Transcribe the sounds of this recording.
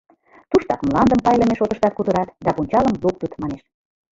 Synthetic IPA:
t̪uʃt̪ɑkmlɑnd̪əmpɑjlə̆meʃot̪ə̆ʃt̪ɑt̪̚kud̪ə̆ɾɑt̪d̪ɑpunʲt͡ɕɑləmluk̚t̪ət̪mɑneʃ

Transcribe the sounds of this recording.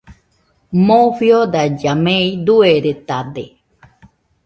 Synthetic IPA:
moɸjod̪ad͡ʒamẽid̪ueɾet̪ad̪e

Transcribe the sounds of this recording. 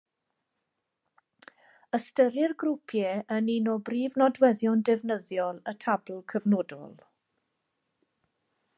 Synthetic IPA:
əstəɾɪrɡrʊpʰjɛəninɔbriːvnɔdwɛðjɔndɪvnəðjɔlˠətʰabl̩ˠkʰəvnoːdɔ̰lˠ

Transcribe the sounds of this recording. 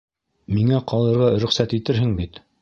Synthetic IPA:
miŋæqɑlˠɤ̆ɾʁɑɾɵ̆χsæt̪it̪ɘɾɦɘŋbit̪

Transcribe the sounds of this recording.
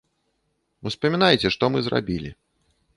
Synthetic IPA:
uspɐmʲinajt͡sʲɛʂt̪ɔmɨzɾa̰bʲilʲi

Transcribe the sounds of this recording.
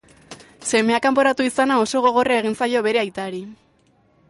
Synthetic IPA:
se̞me̞akampo̞ɾat̪uisanao̞so̞ɣ̞o̞ɣ̞o̞rae̞ɣ̞insajo̞βe̞ɾe̞ajt̪aɾi

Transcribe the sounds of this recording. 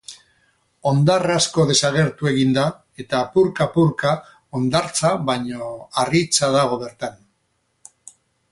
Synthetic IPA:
o̞nd̪arasko̞ðe̞saɣ̞e̞ɾt̪ue̞ɣind̪a | e̞t̪apuɾkapuɾka | o̞nd̪aɾt͡saβajɲo̞arit͡sað̞aɣ̞o̞β̞e̞ɾt̪an

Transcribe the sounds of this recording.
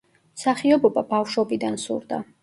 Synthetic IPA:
saχiɔbɔbabafʃɔbid̪ansṵɾd̪a̰

